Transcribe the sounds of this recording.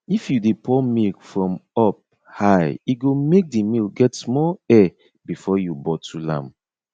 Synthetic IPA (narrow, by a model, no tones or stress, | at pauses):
ifjudepʰɔmilfɹɔ̃mɔp̚ | haɪiɡomek̚dimilɡɛtsmɔɛ | bifɔjubɔtʰulã̰m